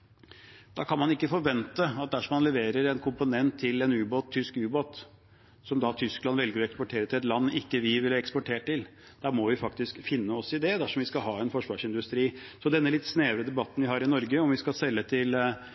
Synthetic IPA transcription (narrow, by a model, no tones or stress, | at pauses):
d̪̥ɑkʰɑnmɑnɪkːəfɔɾʋɛnt̪əɑt̪̚d̪æʂɔmɑnlɛʋeːɾəɾɛnkʰʊmpʊnɛnt̪ʰːɪlɛnʉːboːt̪ʰːʏskʉːboːt̪ | sɔmd̪ɑt̪ʰʏsklɑnʋɛlɡəɾɔɛkspɔʈʰeːɾət̪ɪlɛt̪lɑnːɪkːəʋɪʋɪlɛkspɔʈʰeːʈʰːɪl | d̪̥æːɾmɔʋɪfɑkt̪ɪskfɪnːəɔsɪd̪ɛd̪æʂɔmʋɪskɑɦɑːɛnfɔʂʋɑːʂɪnd̪ʉst̪ɾiːsɔd̪ɛnːəlɪt̪ːsneːʋɾəd̪ɛbɑt̪ːənʋɪɦɑːɾɪnɔɾɡəɔmʋɪskɑsɛlːət̪ʰɪl